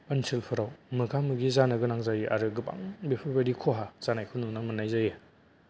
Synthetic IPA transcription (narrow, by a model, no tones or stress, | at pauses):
ɯnsʰilpʰɯɾawmɯɡamɯɡizanɯɡɯnaŋzajiʔa̰ɾɯɡɯpa̰ŋbipʰɯbaɾikʰoɦazanajkʰununaŋmɯnajzaje